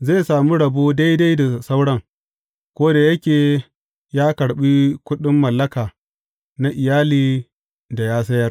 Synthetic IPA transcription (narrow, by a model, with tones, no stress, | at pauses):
ze˦˨saː˨mu˦ɽɐ˨boː˦da˦jda˦jda˨sa˦wɽɐ˦ŋ | kʷoː˦da˨jɐ˦kʲeː˨ | jaː˦kɐ˨ɽɓi˦kʷʊ˦ɗɪ˦mːɐ˨lːɐ˦kaː˨ | na˦ʔɪ˨jaː˦liː˨ | da˨jaː˦s̬ɐ˦jɐ˦r